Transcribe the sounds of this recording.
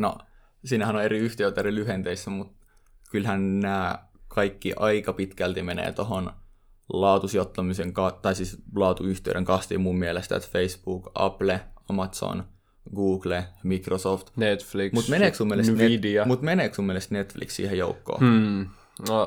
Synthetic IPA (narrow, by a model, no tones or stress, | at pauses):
no̰ | siːnæhænoneriyht̪eøt̪ːerilyhent̪eisːæmut̪ | kylhænnæːkʰɑikːiʔɑikɑpit̪kælt̪imenḛːt̪oɦon | lɑːt̪usjot̪ːɑmiseŋkɑt̪ɑisiːslɑːt̪uyht̪ḛyɾeŋkɑst̪ḭːmummielest̪æ̰t̪feisb̥uːkɑ̰pleɑmɑt̪so̰n | ɡuːɡlemikrosoft̪net̪flikmutt̪meneːksmumːielesneidiɑmut̪meneːksmumːielest̪net̪flḭkssḭːhejoukːo̰ː | no